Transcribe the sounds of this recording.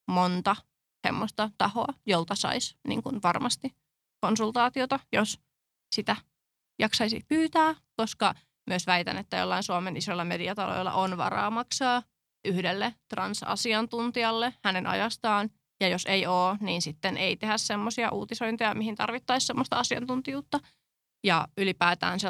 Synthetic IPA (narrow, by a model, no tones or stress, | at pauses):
mont̪ɑ | sḛmːost̪ɑt̪ɑhoɑjolt̪ɑsɑ̰isnḭːŋkunʋɑrmɑst̪i | konsult̪ɑːt̪iot̪ɑjos | sit̪æ | jɑksɑisḭhpyːt̪æː | koskɑ | myøsʋæjt̪æ̰net̪ːæjo̰lːɑinsuɑmenisoilːɑmediɑt̪ɑlo̰ilːɑ̰ʔonʋɑ̰rɑ̰ːmɑksɑː | ʔyhdelːet̪rɑ̰nsɑ̰siɑnt̪unt̪iɑlːehænenʔɑ̰jɑst̪ɑːn | jɑjoseioːniːnsit̪ːenʔeit̪ehæssemːosiɑʔuːt̪isoint̪ijɑmihint̪ɑ̰rʋit̪ːɑissemːost̪ɑɑsiɑ̰nt̪unt̪ijuːt̪ːɑ | jɑylipæːt̪æ̰ːnse